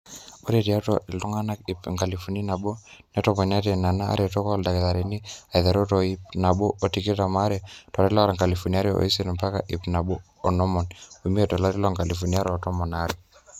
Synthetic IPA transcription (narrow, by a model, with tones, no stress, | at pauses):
ɔ˦ɾɛti˨a˦tɔʔi˨lu˦ŋa˦na˦kipŋɡa˨lifuni˦na˨ɓɔ˦nɛtɔpɔ˨ɲa˦tɛna˨na̰ː˦ɾitɔ˦kɔ˦lda˨kiða˨ɾinia˨iða˨ɾɔ˦tɔipna˨ɓɔ˦ʔɔ˨tiki˦ta˨ma˦ɾɛtɔ˨li˦la˦ɾa˨ŋɡa˨lifunia˦ɾiɔ̰˨i˦si˦nmpa˦ka̰˨ʔi˨pna˨ɓɔ˦ | ɔ˨nɔ˦mɔnu˨mi˦ɛtɔ˨la˦ɾi˦lɔŋɡa˨li˨funia˦ɾɔ˨tɔ˦mɔ˨naɾi